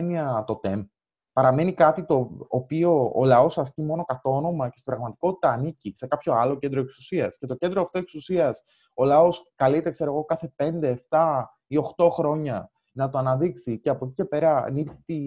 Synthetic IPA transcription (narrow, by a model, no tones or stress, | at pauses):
niɐt̪o̞t̪e̞mp | pɐɾɐme̞nikɐt̪it̪o̞ːpio̞̰ːlɐo̞sɐscimo̞no̞kɐt̪o̞no̞mɐce̞st̪ibɾɐɣmɐt̪i̥ko̞t̪it̪ɐːnicise̞kɐpço̞ɐlo̞ce̞nd̪ɾoeksusiɐsce̞t̪o̞cend̪ɾoɐft̪o̞eksusiɐs | o̞lɐo̞skɐlit̪ekse̞ɾoɣo̞kɐθe̞pe̞nd̪e̞ːft̪ɐ | io̞xt̪o̞xɾo̞ɲɐ | nɐt̪o̞ɐnɐðiksiceɐpo̞cice̞pe̞ɾɐ̰nit̪i